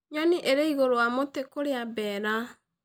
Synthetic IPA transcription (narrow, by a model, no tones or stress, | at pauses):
ɲɔniʔeɾeiɣoɾowamotekoɾeabɛɾa